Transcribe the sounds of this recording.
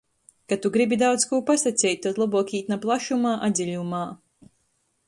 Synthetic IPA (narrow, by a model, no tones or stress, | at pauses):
kat̪uɡɾibʲid̪awt̪skuːpasat̪sʲɛjt̪̚ʲt̪ut̪lˠabuɔkʲiːt̪naplˠaʃumaːʔad̪ʲzʲiʎʲumaː